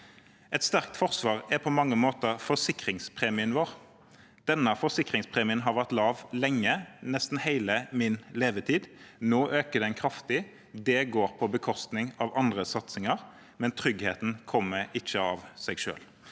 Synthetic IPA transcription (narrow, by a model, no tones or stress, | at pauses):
ʔɛt̪st̪æʁk̚t̪fɔʁsʋɑːʁæpʰɔmɑŋːəmoːt̪əfɔsɪkɾɪŋspʰʁeːmɪənʋoːʁ | d̪̥ɛnːəfɔsɪkʁɪŋspʰʁeːmɪənɦɑɾʋæʁt̪lɑːʋlɛŋːənɛst̪n̩hæɪləmɪnleːʋət̪ʰiːd̪noːʔøːkəd̪ɛɪnkʰɾɑft̪ɪ | d̪ɛɡoːɾpʰɔbəkʰɔst̪nɪŋɑʋɑnd̪ʁəsɑt̪sɪŋɑʁ | mɛnt̪ʰɾʏɡheːt̪n̩kʰɔmːəɪçːəɑʋsɛɪɡʃø̰ːl